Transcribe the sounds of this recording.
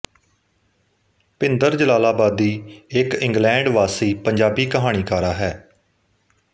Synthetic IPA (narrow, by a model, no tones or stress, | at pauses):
pɪnd̪əɾd͡ʒəlaːlaːbaːd̪iːɪkɪ̃ŋɡlɛ̃ːɳɖʋaːsiːpəɲd͡ʒaːbiːkəɦaːɽ̃iːkaːɾaːɦɛː